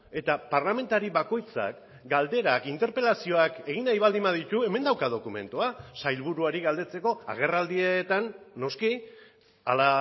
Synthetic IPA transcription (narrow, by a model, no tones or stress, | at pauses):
e̞t̪apaɾlame̞nt̪aɾiβako̞jt͡sa̰k | ɡald̪e̞ɾakint̪e̞ɾpe̞lasio̞ake̞ɣ̞inajβald̪imaðit̪ue̞me̞nd̪awkaðo̞kume̞̰nt̪uasajlβuɾuaɾiɣald̪e̞t͡se̞ko̞a̰ɣ̞e̞rald̪iet̪anːo̞ski | ala